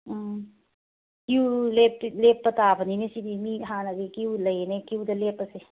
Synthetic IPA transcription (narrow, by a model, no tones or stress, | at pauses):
kiulepːlepːət̪aːbʰəninesid̪imiɦanaɡekiuləjenekiud̪əlepəse